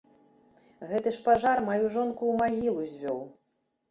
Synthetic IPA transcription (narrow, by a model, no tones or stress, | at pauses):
ɣɛt̪ɨʂpaʐarmajuʐɔnkuːmaɣʲilˠuzʲvʲɔw